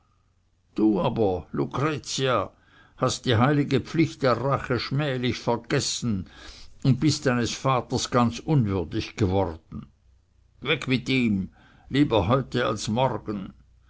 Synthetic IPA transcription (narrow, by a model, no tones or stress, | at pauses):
d̥uːaːbɐlukʁ̥et͡sia | hast̚d̥iːɦaɪlɪɡəpflɪçt̚d̥eːɐʁaχəʃmɛːlɪçfɛɐɡ̥ɛsn̩ʊnt̚b̥ɪstd̥aɪnəsfaːtɐsɡ̥ant͡sʔʊnvʏɐdɪçɡ̥əvɔʁd̥n̩ | vɛkʰmɪtiːm | liːbɐɦɔʏtəa̰lsmɔʁɡən